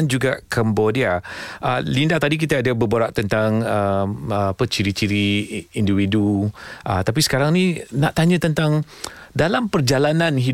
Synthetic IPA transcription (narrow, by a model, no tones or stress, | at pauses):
nd͡ʒuɡakʰambodiaʔəlindaht̪adik̬it̪aadabəboɾaʔt̪ənt̪aŋəapət͡ʃiɾit͡ʃiɾiindiwiduʔə̰t̪ap̬isə̥kaɾaŋninaʔt̪aɲãt̪ənt̪aŋ | dalampərd͡ʒalanãnɦi